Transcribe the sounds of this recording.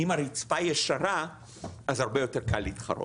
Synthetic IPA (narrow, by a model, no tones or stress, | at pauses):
imaʁit͡spajeʃaʁa | azhaʁbejo̞teʁkalːitχa̰ɾo̰